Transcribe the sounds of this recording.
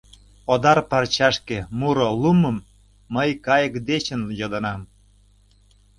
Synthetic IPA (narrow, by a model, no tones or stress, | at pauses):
od̪ɑrpɑrt͡ɕɑʃkemuɾoluməmː | əjkɑjəkd̪et͡ɕənjod̪ə̆nɑm